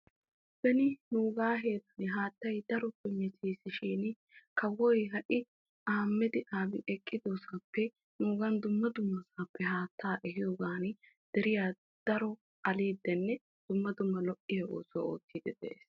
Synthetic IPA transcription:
b̥ɛnɪnuːɡaːɦeːt̪ɐnɪɦaːt̪ːɐjd̪ɐɾɔpːɛmɛt̪iːsɪʃiːn | kɐwɔjɦɐʔɪ | ʔaːmːɛd̪ɪʔaːbɪʔɛkʼːɪd̪osɐpʰːɛ | nuːɡɐnd̪ʊmːɐd̪ʊmːɐsaːpːɛɦaːt̪ːaːʔɛɦɪjoːɡaːn | d̪̥ɛɾɪjaː | d̪̥ɐɾɔ | ʔɐliːd̪ːɛnːɛ | d̪̥ʊmːɐd̪ʊmːɐlɔʔɪjɐʔo̰ːso̰ːo̰ːt̪ːiːd̪ɛd̪ɛ̰ʔḛːs

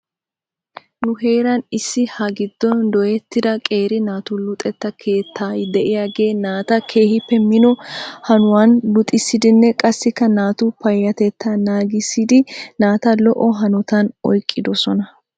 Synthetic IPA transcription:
nʊɦe̞ːɾɐnɪsːɪhɐɡɪd̪ːɔnd̪ɔjɛt̪ːɪd̪ɐkʼe̞ːɾɪnaːt̪ʊlʊt̪ʼɛt̪ːɐkʰe̞ːt̪ʰːaːjd̪ɛʔɪjaːɡe̞ːnaːt̪ɐkʰe̞ːhɪpːɛmɪnɔhɐnʊwaːnlʊt̪ʼɪsːɪd̪ɪnːɛkʼɐsːɪkːɐnaːt̪ʊpɐjːɐt̪ɛt̪ːɐnaːɡɪsːɪd̪ɪnaːt̪ɐlɔʔɔɦɐnʊt̪ɐnɔjkʼːɪd̪ɔsɔnɐ

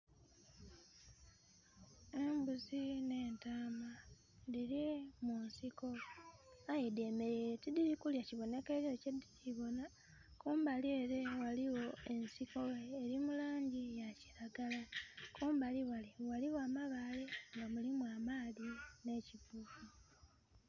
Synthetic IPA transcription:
e̞mbuzine̞ːntaːma | diɾimunsiko̞ | ajede̞me̞ɾetidiɾikuljaciβo̞ne̞ke̞ɾjo̞cediciβo̞na | kuːmbalie̞ɾe̞waliwo̞e̞nsiko̞eɾimulaːɲɟijaci̥ɾaɡalakʰuːmbaliwaliwaliwoamaβaliŋɡamulimuwaːmaːðine̞ːcivuku

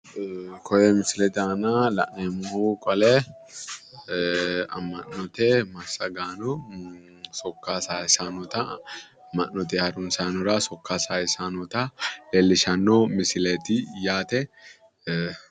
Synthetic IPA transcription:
kʰɔjɛmɪsɪlɛt̪aːnɐlɐ̰ʔneːmʊhukʼɔlɛ | ɐ̰mːɐnːɔt̪ɛmɐsːɐɡaːnɔ | sɔkːasaːsaːnɔt̪ɐ | mːɐnːɔt̪ɛhɐɾʊnsaːnɔɾɐsɔkːasaːjɪsanɔt̪ɐlelːɪʃɐnːomɪsɪlet̪ɪjaːt̪ɛ

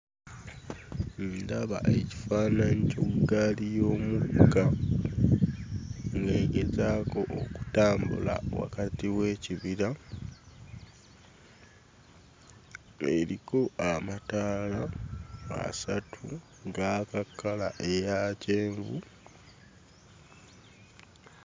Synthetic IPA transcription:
ndaβa̰ʔeci̥faːnaɲicoɡalijo̞ːmuɡa | ŋɡeːɡezaːko̞ʔoku̥taːmbṵla̰wa̰katiwe̞ːciβiɾa | e̞ɾiko̞amataːla | a̰satʰu | ŋɡakakːalaʔe̞jaːce̞ːɱɡṵ

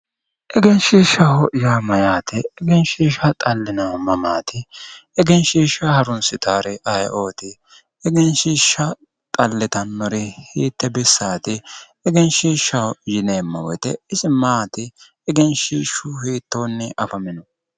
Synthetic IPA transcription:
ʔɛɡɛnʃiːʃːɐhɔʔɪjaːmɐjaːt̪ɪːɡɛnʃiːʃɐt̪ʼɐlːɪnɐɐmɐmaːt̪ɪɛɡɛnʃiːʃɐhɐɾʊnsɪt̪aːɾɛʔɐjʔo̞ːt̪ɪ | ɛɡɛnʃiːʃːɐ | t̪ʼɐlːɪt̪ɐnːɔɾɪhiːt̪ːɛbɛsːaːt̪ɪ | ɛɡɛnʃiːʃːɐhɔɪjɪneːmːɐwɛ̰t̪ɛɪsɪmaːt̪ɪ | ɛɡɛnʃiːʃʊhiːt̪ːo̞ːnːɛʔɐfɐmɪnɔ

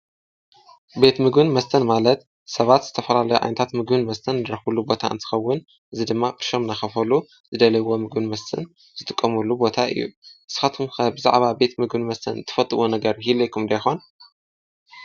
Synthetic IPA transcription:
be̞t̪mɨɡɨnmɐst̪ʰɐnmalɐt̪ | sɐβat̪z̥ɨt̪ʰɐfɐlalɐjuʔʕa̰jnɐt̪ʰat̪mɨɡbɨnmɐst̪ʰɐnːɨɾɐxbulːubo̞t̪ʰa̰ʔɨ̰nt̪ʰɨ̥xɐwːʊn | ʔɨzid̪ɨmːakʼɨ̥ʃo̞mnaxɐfɐlu | zɨd̪ɐlɐwo̞mɨɡbɨnmɐst̪ʰɨ̰n | z̥ɨt̪ʼɨkʼːɐmulːubo̞t̪ʰaʔɨ̰jːṵʔɨsɨ̥xat̪ʰumxɐbɨza̰ʕβabe̞t̪mɨɡɨnmɐst̪ʰɐ̰nt̪ʰɨ̥fɐt̪ʼɨwonɐɡɐɾɦilɐjkʰumd̪ɐjxo̞n

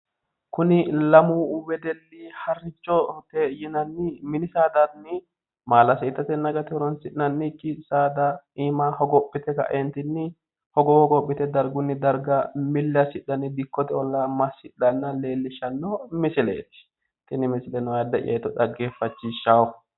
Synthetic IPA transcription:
kʊnɪlɐmuwɛd̪ɛlːihɐrːɪt͡ʃːɔt̪ɛjɪnɐnːɪmɪnɪsaːd̪ɐnːɪ | maːlɐseːt̪ːɐt̪ɛnːɐɡɐt̪ɪɔɾɔnsɪnɐnːɪkːɪsaːd̪ɐ | iːmahɔɡɔpːɪt̪ɛkɐ̰ʔɛnt̪ɪnːɪ | hɔɡɔhɔɡɔpːɪt̪ɛd̪ɐɾɡʊnːɪd̪ɐɾɡɐmɪlːɐsɪɗːɐnɪd̪ɪkːɔt̪ɛɔlːɐmɐsɪᶑɐnːɐle̞ːlːɪʃɐnːɔmɪsɪlḛːt̪ɪ̥ | t̪ɪnɪmɪsɪlɛnɔjad̪ːɐʔɪ̰ɐ̰jt̪ːɔᶑɐɡeːfːɐt͡ʃːɪʃːaːw

